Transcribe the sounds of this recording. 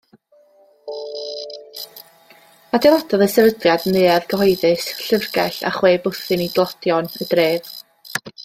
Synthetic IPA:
adɛvˠadɔðəsɛvədrjadnɨːaðɡəhɔjðɨsɬərɡɛɬa̰χweːbʊθɨniɡlˠɔd̥jɔnəd̥reːð̥

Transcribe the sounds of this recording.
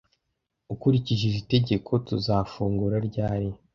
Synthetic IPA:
ukuɾiciʒizite̞ɟe̞kʰo̞tuzafuːŋɡuɾaɾɟaːɾi

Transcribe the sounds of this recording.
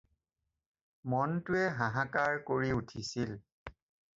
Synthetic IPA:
mɔntʊɛɦãɦakaɹkoɹiutʰisil

